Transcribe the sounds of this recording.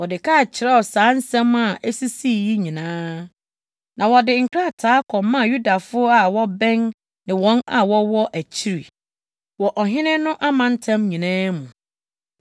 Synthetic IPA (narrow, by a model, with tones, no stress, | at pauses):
wɔ˨dɪ˨kʰa˦˨t͡ɕʰɪ˨ɾɛ˦ɔ˨saː˨˦n̩˦sɛ̃˦ma˨ʔæ˦si˦si˦˨ji˦ɲĩ˨nãː˦ | nʔã˨wɔ˨dɪ˨ŋ̩˨kʰɾa˦˨tʰaː˨˦kʰɔ̃˨mmːã˦˨ju˦da˨fʊ˦ɔ˦a˨wɔ˦bɛ̃˦n | nɪ̃˨wɔ̃˦na˨wɔ˦wɔ˦ʔæ˨t͡ɕʰi˦ɾi˨ | wɔ˨ʔɔ˨ɦɪ̃˦nɪ̃˦nʊ̃˦ʔa˦mã˨n̩˦tʰã˦mɲĩ˨nãː˦mʊ̃˨